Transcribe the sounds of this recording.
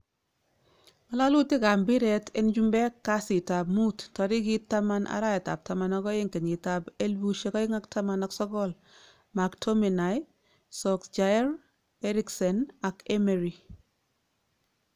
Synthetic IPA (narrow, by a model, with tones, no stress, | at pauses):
ma˨la˦lu˦tɪ˦ka˨mbi˦ɾɛ˨tɪ˦nd͡ʒu˦mbɛ˦kːa˦si˨ta˨b̚mu˦ttɔ˨ɾɪ˦ɡi˦tːa˦ma˦nʔa̰˦ɾa˦jɛ˨ta̰˨p̚ta˨ma˦nɔ˦ɡɔ˦ɪ˦ŋke˨ɲɪ˨ta˨be˦lbu˦ʃe˦kɔ˦ɪ˦ŋa˦kta˦ma˦nɔ˦ksɔ˦ɡɔ˦l | ma˨ktʰɔ˦mi˨na˨j | sɔ˨kd͡ʒa˦ɾ | ɛ˦ɾɪ˦ksɔ˨na˨kɛ˦meɾi˨